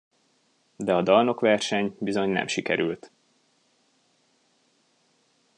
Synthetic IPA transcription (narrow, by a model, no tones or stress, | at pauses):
d̪ɛɒd̪ɒlno̞kʋɛrʃɛɲbizo̞ɲnɛ̰mʃikɛɾylt̪